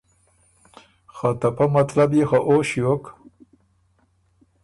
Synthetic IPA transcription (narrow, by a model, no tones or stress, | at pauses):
xat̪apamat̪labjixaʔoʃijok